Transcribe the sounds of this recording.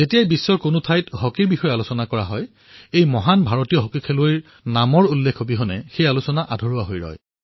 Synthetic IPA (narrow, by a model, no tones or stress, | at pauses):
zetijajbisːɔɹkonʊtʰajtɦokiɹbixɔjalʊsɔnakɔɹaɦɔj | ejmɔɦanbʱaɹotijɔɦokikʰelojɹ | namɔɹulːekʰobiɦɔnɛxejalusɔnaʔadʱɔɹuwaɦojɹɔ̰j